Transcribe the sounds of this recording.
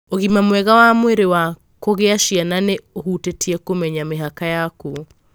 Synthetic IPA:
oɣimamwɛɣawamweɾewa | koɣeaʃiananeohutetʰiɛkomɛɲameɦakajako

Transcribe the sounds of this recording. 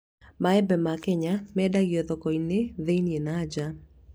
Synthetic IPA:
maɛbɛmakɛɲamɛdaɡjɔt̪ɔkɔineðenjenad͡ʒa

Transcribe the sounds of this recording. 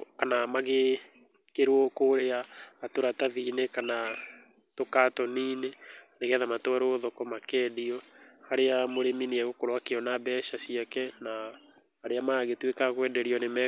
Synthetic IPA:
kanamaɣe | keɾwɔkoɾeaːtoɾataðiːnekana | tokatɔniːneneɣɛðamatoaɾoðɔkɔmakɛːdiɔhaɾeamoɾeminiɛɣokoɾwakeɔnabɛʃasiakɛna | haɾeamaɣetwekaɣwɛdɛɾiɔnemɛ

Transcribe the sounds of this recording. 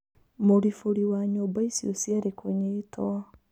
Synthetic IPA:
moɾifoɾiwaɲoːmbaisiosjaɾekʰoɲeːtʰa

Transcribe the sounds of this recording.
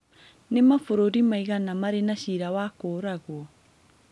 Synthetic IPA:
nemafoɾoɾimaiɣanamaɾenaɕiɾawakoːɾaɣwɔ

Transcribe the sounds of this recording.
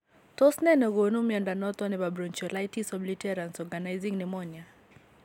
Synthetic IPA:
tɔsnɛnɛɣonumjandanɔt̪ɔnɪbabɾɔnt͡ʃɔlajtisɔblitɛɾansɔɡanajziŋnɪmɔɲa

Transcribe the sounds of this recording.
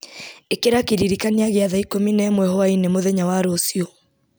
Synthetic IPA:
ekeɾakeɾiɾikaniaɣeaðaikominɛːmwɛhɔainemoðɛɲawaɾoːsiɔ

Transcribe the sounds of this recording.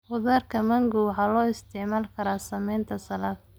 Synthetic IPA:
ʊðaːrkʰɐmɐŋɡʊwħɑːlɔːɪst̪ʰɪʕmaːlkʰɐɾaːsɐmɛjnt̪ʰɐsɐlaːd

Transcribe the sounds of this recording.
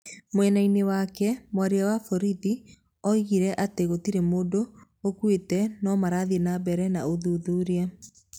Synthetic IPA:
mwɛnainewakɛmwaɾeawafɔɾiði | ɔiɣiɾɛʔateɣotiɾemoːdoː | kwetɛnɔmaɾaðienabɛɾɛnaoðuðuɾia

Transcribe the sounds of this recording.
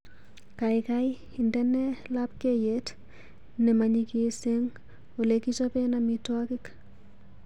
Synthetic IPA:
kajkajhindɛnːɛlap̚kejet | nɛmaɲikiseŋ | olekit͡ʃɔpɛnamitwakik

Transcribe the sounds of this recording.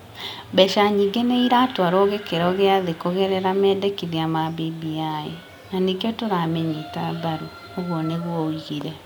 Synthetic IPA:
bɛʃaɲiːɡeneiɾatwaɾoɣekeɾɔɣeaðekoɣɛɾɛɾamɛːdekiðiamabibiae | nanikeotoɾamɛɲitabaɾu | oɣwɔneɣwɔiɣiɾɛ

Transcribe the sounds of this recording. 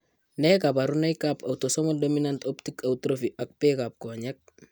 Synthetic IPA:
nekapaɾunajkapawtosomoldominantoptikautɾofiʔak̚peːkap̚koːɲek̚

